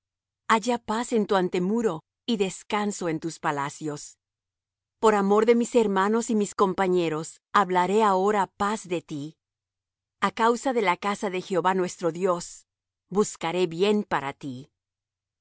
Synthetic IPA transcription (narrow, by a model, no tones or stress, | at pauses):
aʝapase̞nt̪uant̪e̞muɾo̞ | iðe̞skanso̞e̞nt̪uspalasjo̞s | po̞ɾamo̞ɾðe̞mise̞ɾmano̞simisko̞mpaɲe̞ɾo̞s | aβlaɾe̞ao̞ɾapazðe̞t̪i | akawsaðe̞lakasaðe̞xeo̞βanwe̞st̪ɾo̞ðjo̞s | buskaɾe̞βje̞npaɾa̰t̪i